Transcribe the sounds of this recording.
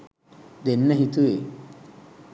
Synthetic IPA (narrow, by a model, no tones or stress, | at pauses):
d̪enːɐɦit̪ue